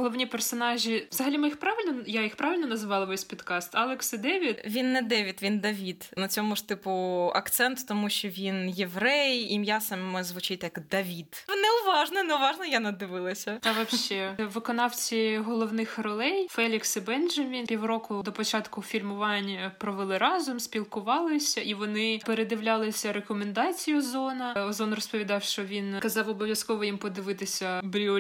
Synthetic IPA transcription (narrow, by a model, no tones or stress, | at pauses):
ɦɔlˠɔʋnʲipɛrsɔnɑʒʲiʋzɐɦɐlʲimɪixpɾɑʋɪlʲnɔjajixpɾɑʋʲɪlʲnɔnɐzɪʋɑlˠɐʋɛsʲpʲid̪kɑst̪ɑlˠɪksɪd̪ɛʋʲit̪ʋʲinːɛd̪ɛʋʲit̪ʋʲind̪ɐʋʲid̪nɐt͡sʲɔmʊʐ̥t̪ɪpʊɐ̰kt̪sɛnt̪t̪ɔmuʃʲt͡ʃɔʋʲinjeʋɾɛjimjasɐmɛzʋʊt͡ʃɪt̪ʲjɐkd̪ɐʋʲit̪nɛʊʋɑʒnɔnɛʊʋɑʒnɐjanɐd̪ɪʋɪlˠɐsʲɐt̪ɐʋɐʃʃɛʋɪkɔnɑwt͡sʲiɦɔlˠɔwnɪxrɔlˠɛjfɛlʲiksɪbɛnʒɐʋʲinpʲiwrɔkʊd̪ɔpɔt͡ʃɑt̪kʊfʲilʲmʊʋɑnʲpɾɔʋelˠɪɾɑzʊmsʲpʲilˠkʊʋɑlˠɪsʲɐiʋɔnɪpeɾed̪ɪʋlʲalˠɪsʲɐɾekɔmend̪ɑt͡sʲijʊzɔnɐɔzɔnrɔspɔʋʲid̪ɑwʃt͡ʃɔʋʲinkɐzɑwɔbɔʋʲjɐskɔʋɔjimpɔd̪ɪʋɪt̪ɪsʲɐbɾʲu